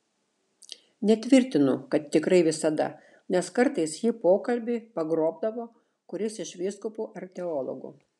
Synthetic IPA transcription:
nʲɛt̪ʲʋʲɪɾʲt̪ʲɪnʊkɐt̪t̪ːʲɪkɾɐɪʋʲɪsɐd̪ɐ̰ | nʲɛskɐɾt̪ɐɪsjiːpoːkɐlʲbʲɪːpɐɡɾoːb̚d̪ɐʋoː | kʊɾʲɪsɪʃʋʲiːskʊpuːʔɐɾʲt̪ʲɛoːlˠɔ̰ɡṵː

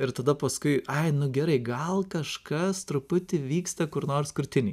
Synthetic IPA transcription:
ɪɾt̪ɐd̪ɐpɐskʊɪɐɪnʊɡʲɛɾɐɪɡɐlˠkɐʃkɐst̪ɾʊpʊt̪ʲɪʋʲiːkst̪ɐkʊɾnoːrskʊɾʲt̪ʲɪnʲi

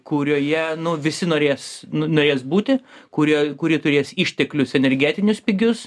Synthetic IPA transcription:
kʊɾʲoːjɛnʊʋʲɪsʲɪnoːɾʲeːsnʊnoːɾʲeːsbuːt̪ʲɪkʊɾʲiɛkʊɾʲiɛt̪ʊɾʲeːsiːʃʲt̪ʲɛklʲʊsɛnʲɛɾʲɡʲæːt̪ʲɪnʲʊspʲɪɡʲʊs

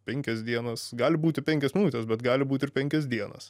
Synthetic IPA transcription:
pʲɛŋʲkʲɛsd̪ʲiɛnɐsɡɑːlʲɪbuːt̪ʲɪpʲɛŋʲkʲɛsmʲɪnuːt̪ʲɛsbʲɛt̪ɡɑːlʲɪbuːt̪ʲɪɾrpʲɛŋʲkʲɛs̬d̪ʲiɛnɐ̰s

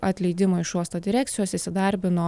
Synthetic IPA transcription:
ʔɐt̪ʲlʲɛɪd̪ʲɪmoːɪʃuɔst̪ɐd̪ʲɪɾʲæːkt̪sʲɪjoːsɪsʲɪd̪ɐɾʲbʲɪnoː

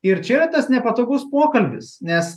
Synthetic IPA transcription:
ɪɾt͡ʃʲɛiːɾɐt̪ɐsnʲɛpɐt̪oːɡʊspoːkɐlʲbʲɪ̰snʲɛs

